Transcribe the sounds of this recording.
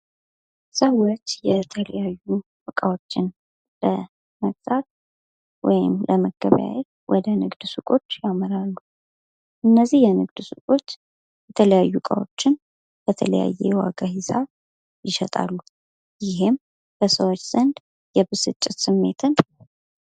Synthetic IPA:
səwːo̞t͡ʃːjɛt̪ʰələjajːubɨkʼawo̞t͡ʃːɪn | lə | məkt̪ʼat̪ | wɔjɪmlʔəməɡə̰βja̰jɛ | wʔɔd̪ənɨɡd̪sukʼo̞t͡ʃːjaməɾalːu | ʔɨnːəzːihjɛnɨɡd̪sukʼo̞t͡ʃː | jɛt̪ʰələjajːukʼa̰wo̞̰t͡ʃːɪn | bət̪ʰələja̰jːejɛwa̰ɡahɪzaβ | jɪʃɛt̪ʼa̰lːu | jɪɦɪm | b̥əsəwot͡ʃːz̥ənd̪ | jɛbɨsɨt͡ʃʼːɪt̪sɨmːe̞t̪ʰɨn

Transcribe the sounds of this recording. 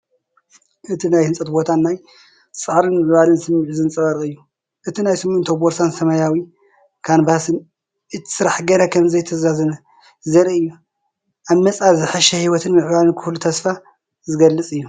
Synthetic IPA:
ʔɨt̪ʰinajhɨnt͡sʼɐt̪bo̞t̪ʰanːaj | sʼaʕɾɨnmɨʕβalɨnsɨmːɨʕzɨnt͡sʼɐβɐɾkʼɨjːu | ʔɨt̪ʰinajsɨmunt̪ʰoboɾsansɐmɐjawi | kʰanbasɨn | ɨt̪ʰsɨɾaħɡɐɾakʰɐmzɐjt̪ʰɐzazɐnɐ | zɐɾiɨjːu | ʔaβmɐt͡sʼaβzɨħɐʃɐhiwɔt̪ʰɨnmɨʕβalɨnkʰɨlut̪ʰɐsfa | zɨɡɐlːɨt͡sʼɨjːu

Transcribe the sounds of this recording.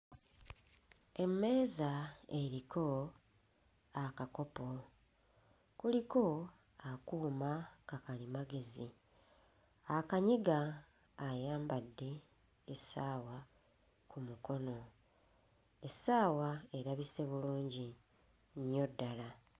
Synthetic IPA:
e̞mːe̞ːzaeɾikʰo̞ | akako̞po̞ | kuliko̞ | akuːmakakalimaɡe̞zi | akaɲiɡaː | jaːmbadːe̞ː | saːwa | kumuko̞no̞ | esaːwae̞ɾaβise̞βuluːɲɟi | nijo̞dːala

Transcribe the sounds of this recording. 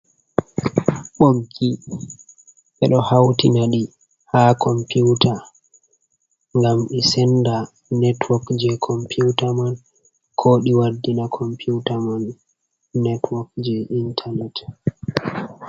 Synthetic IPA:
ɓoɡːi | ʔɛɗɔhawtinaɗi | hakʰɔmpuwta | ŋɡamɗisɛnda | nɛtwɔkd͡ʒɛkʰɔmpuwtaman | kʰoɗiwadːinakʰɔmpʰuwtamanː | ɛtwɔkd͡ʒɛʔintʰanɛt

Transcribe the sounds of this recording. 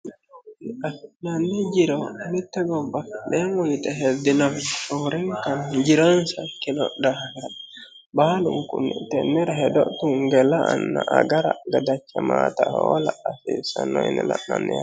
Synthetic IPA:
afinanːɛd͡ʒiɾanitːɛɡɔbadɛŋojitɛɦɛdinavfɔɾɛŋkand͡ʒiɾansakːinɔ̰dahɾa | baluŋkunɛtɛnːɛɾɦɛdɔʔtuŋɡɛlaanːaʔaɡaɾa̰ɡadat͡ʃːamaːtahwɔlaːfisanɔjnɛla̰na̰nːɛja

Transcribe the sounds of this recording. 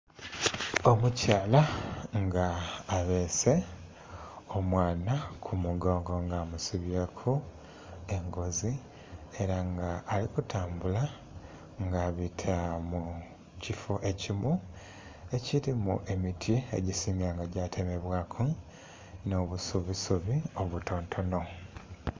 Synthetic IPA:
o̞mucaːlaŋɡaːβe̞se̞ | omwaːnakʰumuɡo̞ːŋɡo̞ŋɡaːmusuβjekʰu | e̞ŋɡo̞zi | e̞ɾaŋɡaʔːlikutʰaːmbula | ŋɡaβitʰamu | cifoʔe̞cimu | e̞ciɾimṵʔe̞mitʰie̞̰ɟisiːŋɡaŋɡaɟatʰe̞me̞βwaːkʰu | no̞βusuβisuβio̞βuto̞ːntʰo̞no̞

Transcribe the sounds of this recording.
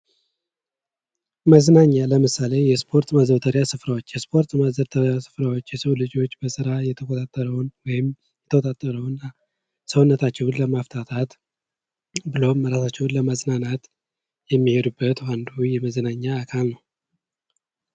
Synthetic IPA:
məznaɲːaləmɨsale̞jɛspʰo̞ɾt̪mazəβt̪ʰəɾjasɨfɾawot͡ʃːjɛspʰo̞ɾt̪məzəβt̪ʰəɾjasɨ̥fɾawo̞t͡ʃːjɛsəwlɨd͡ʒo̞t͡ʃːbəsɨɾajɛt̪ʰəkʰot̪ʼat̪ʼːəɾəwnwɔjɪm | jɛt̪ʰəkot̪ʼat̪ʼːəɾəwɨnːa | səwunːət̪ʰat͡ʃːɛwnləmaft̪ʰat̪ʰat̪ | bɨlo̞mːəɾasat͡ʃːɛwnləməznanat̪ | jɛmːihed̪ubːət̪wand̪ujɛməzənaɲːaːkʰalnəw

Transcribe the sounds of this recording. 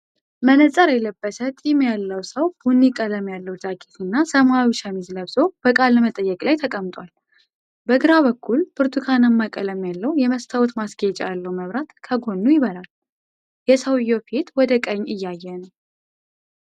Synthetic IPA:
mənət͡sʼəɾjɛləbːəsət̪ʼimjalːəwsəwbunːikʼələmjalːəwt̪ʼakʼit̪ʰɨnːasəmawiʃamizləβzo̞b̥əkʼalːəmət̪ʼəjːɛkʼlajt̪ʰəkʼəmt̪ʼwal | bəɡɨɾaβəkʰːulbɨɾt̪ʰukʰanəmːakʼələmjalːəwjɛməst̪ʰawɔt̪masɡet͡ʃʼjalːəwməβɾat̪kʰəɡo̞nːujɪβəlal | jɛsəwɨjːopʰet̪wɔd̪əkʼəɲːɨjːajːɛnəw

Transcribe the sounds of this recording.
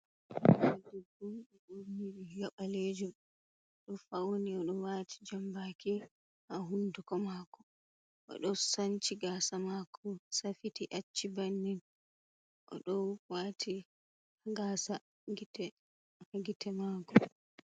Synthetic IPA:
wadidumɓɛbuɾniɓijɔɓaled͡ʒum | ɗɔfawniɔɗɔwatʰi̥d͡ʒambaki | haɦundukɔmakɔ | ʔɔ̰ɗɔsaɲt͡ʃiɡaːsamakʰɔsafitiʔat͡ʃːibanːin | ʔɔ̰ɗɔwwatʰi | aɡasa | ɡitɛ | aɡitɛmakɔ

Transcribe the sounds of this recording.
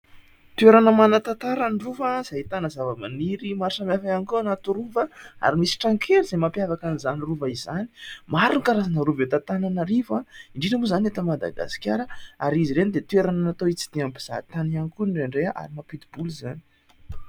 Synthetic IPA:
t̪ueɾanəmanət̪at̪aɾanruvaz̥ait̪anəzavəmaniɾimaɾsamafaanikuanat̪uɾuvəa̰ɾimisi̥ʈ͡ʂaŋkʰeɾiz̥emapjavakanizaniruvaizani̥maɾunikaɾazanaɾuvet̪at̪ananaɾivaiɳɖ͡ʐinəmuzanet̪əmad̪a̰ɡa̰si̥kʲjaɾəaɾiziɾenid̪et̪weɾananat̪oit͡si̥d̪̥iampiz̥a̰t̪anianikuɳɖ͡ʐeɳɖ͡ʐeaʔa̰ɾimapid̪ibulizani̥

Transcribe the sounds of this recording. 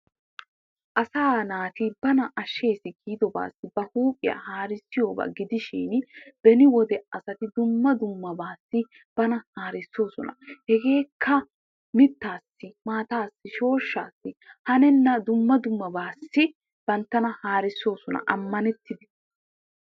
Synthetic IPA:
ʔɐsaːnaːt̪ɪbɐnɐʔɐʃːe̞ːsɪkʰiːd̪ɔba̰ːsːɪbɐhuːpʼɪja̰haːɾɪsːɪjo̞ːba̰ːɡɪd̪ɪʃiːnbɛnɪwɔd̪ɛɐsɐt̪ɪd̪ʊmːɐd̪ʊmːɐbaːsːɪ | b̥ɐnɐhaːɾɪsːo̞ːsɔnɐ̰hɛɡe̞ːkʰːɐ | mɪt̪ːaːsːɪmaːt̪aːsːɪʃo̞ːʃːaːsːɪhɐnɛnːɐd̪ʊmːɐd̪ʊmːɐbaːsːɪ | b̥ɐnt̪ːɐnɐhaːɾɪsːo̞ːsɔnɐ̰ʔɐmːɐnɛt̪ːɪd̪ɛ̥

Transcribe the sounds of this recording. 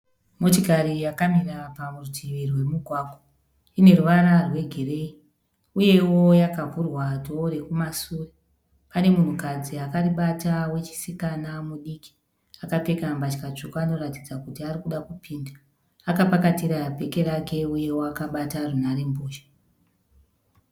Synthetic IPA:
mo̞tokaɾijakamirapamurutʰiʋirwe̞muɡʱwaːkwo | ine̞ruʋaɾarwe̞ɡʱere̞i | uje̞wo̞jakavurwato̞ɾe̞kumasuːre | pane̞mun̤ukad͡ziakariɓatawe̞t͡ʃi̥sikanamuɗiki̥ | akape̞kambat͡ʃikat͡ʂokuano̞ratid͡zakutiaɾikuɗakupʰiːnda | akapakatiɾape̞ke̞ɾake̞uje̞woakaɓatarunaɾe̞mboːʃḁ

